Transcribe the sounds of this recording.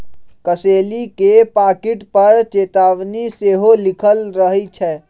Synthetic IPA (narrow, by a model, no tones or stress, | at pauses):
kəselikepakiʈpəɾt͡ʃet̪aʋniseɦolikʰəlɾəɦit͡ʃʰɛ